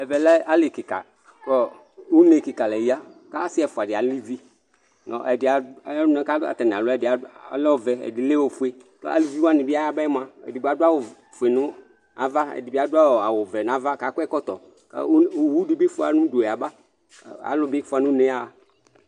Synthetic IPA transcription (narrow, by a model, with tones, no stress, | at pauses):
ɛ˨vɛ˨lɛ˦a˦lɪ˨kɪ˨ka̰˨ | kɔ˦ | wu˦ne˨kɪ˨ka˨lɛ˨ji˦a˦ka˦sɪ˦ɛ˨fʊ˨a˨dɪ˨a˨li˦vi˦ | nɔ̰̃˨ʔɛ˨dɪ˨a˨˦n˦ɛ̃˦ka˦a̰˨t̪a˨nɪ̃˨a˨lʊ˦ɛ˨dɪ˨a̰˨˦lɔ˦˨vɛ˨ɛ̰˨dɪ˨le˦wo˨fu˦e˦t̪ɔ̰˦ʔa̰˨li˦˨vi˦wo˦a˦nɪ̃˨bɪ˦a˦ja˦ba˦ɛ˦m˦ã˨ɛ̰˨dɪ˨be˦a˨dʊ˦a˦wo˨ | fe˨nʊ̃˦ | a̰˨va˦ɛ̰˨dɪ˨bɪ˦a˨dʊ˦a˦wo˨a˨wʊ˨vɛ˨n˨a˨va˦ka˨kʊ˦ɛ˦kɔ˦t̪ɔ̰˨ | ka̰˦o˨˦wu˦dɪ˨bɪ˦fʊ˦a˨nʊ̃˦do˨ɛ˨a˨ba˦˨ | a̰˨lʊ˦bɪ˦fʊ˦a˨nʊ̃˦nẽ˦a˦˨